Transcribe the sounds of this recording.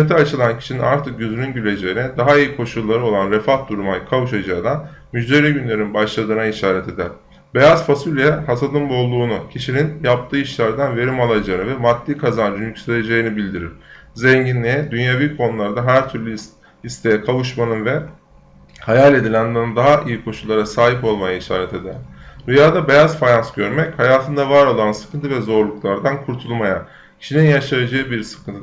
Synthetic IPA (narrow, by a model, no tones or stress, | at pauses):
et̪ʰiat͡ʃʰɯlˠancʰi̥ʃinḭnaɾt̪ʰɯk̚ɟyzyɾynɟylʲe̞d͡ʒejinɛd̪aɦaijikʰo̞ʃullˠːaɾɯo̞lˠanɾefahd̪uɾumajkʰavuʃad͡ʒaːd̪an | myd͡ʒd̪e̞ɾiːɟynlʲe̞ɾinbaʃlˠad̪ɯːnaiʃaːɾɛt̪ʰe̞d̪æɾ̥ | be̞jazfasulʲjɛhasad̪ˠɯmbo̞lˠuːnucʰiʃininjap̚t̪ʰɯːiʃlʲæɾd̪anve̞ɾimalˠad͡ʒaɯnɯvɛmat̪ːiːkʰazand͡ʒynycsejed͡ʒe̞jinibilʲd̪iɾiɾ̥zeɲɟinlʲijɛd̪ynjaviːkʰo̞nulˠaɾd̪aɦæɾt̪ʰyɾlʲy | ist̪ʰe̞jɛkʰavɯʃmanɯnvɛ | hajalʲe̞d̪ilʲænd̪and̪aɦaʔijikʰo̞ʃulˠaɾasaːɦipo̞lˠmajaiʃa̰ːɾɛt̪ʰe̞d̪end̪ujaːd̪abe̞jazfajansɟø̞ɾmɛchajaːt̪ʰɯnd̪avaɾo̞lˠansɯ̥kʰɯnt̪ʰɯvɛzo̞ɾlˠuklˠaɾd̪ankʰuɾt̪ʰulˠmaja | cʰi̥ʃininjaʃajad͡ʒaɯbiɾsɯ̥kʰɯnt̪ʰ